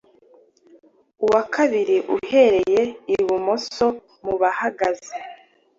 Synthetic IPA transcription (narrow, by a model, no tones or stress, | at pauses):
uwakʰaβiɾiʔuhe̞ɾe̞je̞iβumo̞so̞ | muβahaɡaze